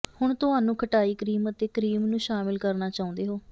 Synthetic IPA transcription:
hʊɳt̪ʊɦaːnũːkʰəʈaːiːkəɾiːmət̪eːkəɾiːmnũːʃaːmɪlkəɾnaːt͡ʃaːũnd̪eːɦoː

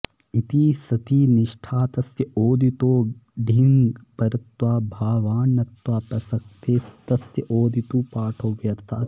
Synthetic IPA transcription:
it̪iːsɐt̪iːnɪʃʈʰaːt̪ɐsjɐʔoːd̪ʱit̪oːɖʱiŋɡɡpɐɾɐt̪ʋaːbʱaːʋaːnːɐt̪waːpɐsɐk̚t̪eːst̪ɐsjɐʔoːd̪ʱit̪uːpaːʈʰoːʋjɐɾt̪ʰaː

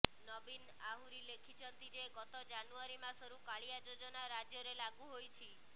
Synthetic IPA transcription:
nɔbin | aɦuɾilekʰit͡ʃʰɔnt̪id͡ʒeɡɔt̪ɔd͡ʒanuaɾimasɔɾukaɭijad͡ʒod͡ʒɔnaɾad͡ʒjɔɾelaɡuɦojt͡ʃʰi

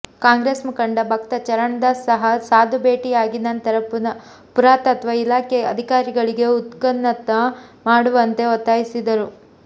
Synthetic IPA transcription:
kaːŋɡɾeːsmukɐɳɖɐbʱɐkt̪ɐt͡ʃɐɾɐɳɐd̪ɐsɐɦɐsaːd̪ubeːʈijaːɡinɐnt̪ɐɾɐpunɐ | puɾaːt̪ɐɐt̪ʰʋaːilaːkeɐ̰d̪ʱikaːɾiɡɐɭiɡe̞ut̪kɐnːɐt̪ɐmaːɽuʋɐnt̪e̞ot̪ːaːjisid̪ɐɾu

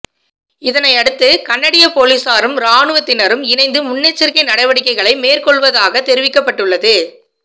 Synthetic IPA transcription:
ɪðɐnɐɪɐɽɯt̪ːɯkɐɳːɐɽɪjɐpoːlisaːɾɯmɾaːɳɯʋɐt̪ːɪnɐɾɯmɪnɐɪnd̪ɯmʊnːeːt͡ʃːɪɾkɐɪnɐɽɐɪʋɐɽɪkːɐɪɣɐɭɐɪmeːrkɔɭʋɐðaːɣɐt̪ɛɾɪʋɪkːɐpːɐʈːɯɭːɐðɯ

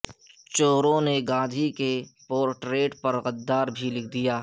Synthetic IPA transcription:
t͡ʃoːɾõneɡãːd̪ʱikepoːɾʈɾeːʈpɐɾɣɐd̪ːaːɾbʱilɪk̚ʰd̪ijaː

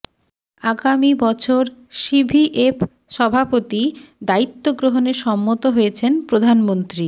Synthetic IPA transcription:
aɡamibɔt͡ɕʰoɾʃibʱiʔep | ʃɔbʱapot̪id̪ait̪ːoɡɾoɦoneɾʃɔmːot̪oɦojet͡ɕʰenpɾod̪ʱanmont̪ɾi

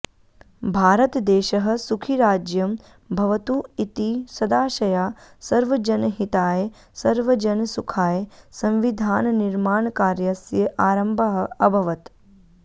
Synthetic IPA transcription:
bʱaːɾɐt̪d̪eːʃɐɦɐ̆sukʰiɾaːd͡ʒjɐm | bʱɐʋɐt̪uit̪isɐd̪aːʃɐjaːsɐɾʋɐd͡ʒɐnɦit̪aːj | sɐɾʋɐd͡ʒɐnsukʰaːjsɐ̃mʋid̪ʱaːnɐniɾmaːɳkaːɾjɐsjɐʔaːɾɐmbʱɐɦɐ̆ɐbʱɐʋɐt̪

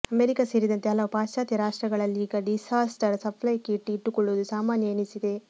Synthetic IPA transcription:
ɐmeɾikaseːɾid̪ɐnt̪eɦɐlɐʋɐpaːʃaːt̪jɐɾaːʂʈɾɐɡɐɭɐlːiiːɡɐɖisaːsʈɐɾsɐpʰlɐjɐkːeiʈːiiʈːukoɭːuʋɐd̪usaːmaːnjɐenisid̪e̞

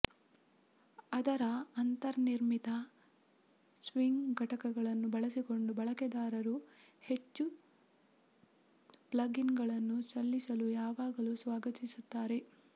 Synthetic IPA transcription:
ɐd̪ɐɾɐɐnt̪ɐɾɐniɾmit̪ɐ | sʋiŋɡɡʱɐʈɐkɐɡɐɭɐnːubɐɭɐsiko̞ɳɖubɐɭɐkɛd̪aːɾɐɾuhet͡ʃːu | plɐɡinɡɐɭɐnːusɐlːisɐlujaːʋaːɡɐlusʋaːɡɐt̪isut̪ːaːɾe̞

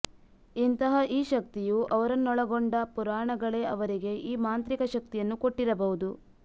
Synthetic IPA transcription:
int̪ɐɦɐʔiːʃɐk̚t̪ijuʔɐʋɐɾɐnːɔɭɐɡoɳɖɐpuɾaːɳɐɡɐɭe̞ːɐʋɐɾiɡe̞ʔiːmaːnt̪ɾikɐʃɐk̚t̪ijɐnːukoʈːiɾɐbɐɦud̪u

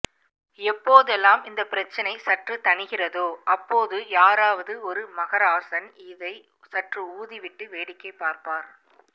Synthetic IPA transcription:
ɛpːoːðɛlːaːmɪnd̪ɐpːɪɾɐt͡ʃːɐnɐɪsɐʈrɯt̪ɐɳɪɣɪrɐðoːʔɐpːoːðɯjaːɾaːʋɐðɯɔɾɯmɐɣɐɾaːsɐnɪðɐɪ | sɐʈrɯuːðiʋɪʈːɯʋeːɽɪkːɐɪpːaːɾpaːɾ

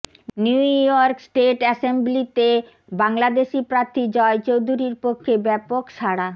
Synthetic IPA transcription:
njujɔɾksʈeʈɛsemblit̪e | baŋlad̪eʃipɾaɾt̪ʰːid͡ʑɔet͡ɕowd̪ʱuɾiɾpokʰːebɛpokʃʰaɽa

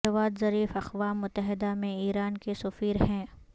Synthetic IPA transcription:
ɐʋaːd̪zɐɾiːfɐxʋaːmːʊt̪ːəɦɪd̪amẽiːɾaːnkesʊfiːɾɦɛ̃ː

